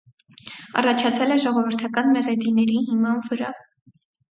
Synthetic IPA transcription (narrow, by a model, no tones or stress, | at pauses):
ɑ̰rɑt͡ʃʰɑt͡sʰɛlɛʒɔʁɔvəɾt̪ʰɑkɑnmɛʁɛd̪inɛɾihimɑnvəɾɑ̰